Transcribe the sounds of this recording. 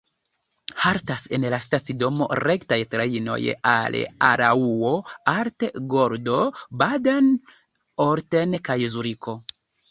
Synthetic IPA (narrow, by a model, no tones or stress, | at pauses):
haɾtase̞nlastat͡sido̞mo̞̰ɾektajtɾaino̞̰ja̰la̰ɾauo̞aɾteɡo̞ɾdo̞badan | oɾtenkajzuɾiko̞